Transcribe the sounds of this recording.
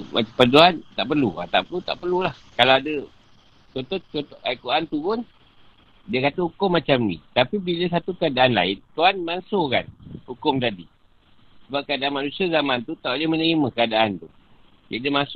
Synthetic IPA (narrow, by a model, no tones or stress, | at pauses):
ma̰pəduant̪aʔpərlua̰t̪a̰ʔpərlut̪a̰ʔpərlulahkalawadə | t͡ʃot̪ɔt̪t͡ʃot̪oʔaikuant̪upʊn | diəkat̪əhukʊmːat͡ʃamnḭt̪apibiləs̬at̪ukəadaʔanla̰ɪnt̪uanmansoka̰nhukʊmt̪adi | səbap̚kəadaʔanmanusiazamant̪ut̪aʔademənəɾiməkəadaʔant̪u | diadəmasʊ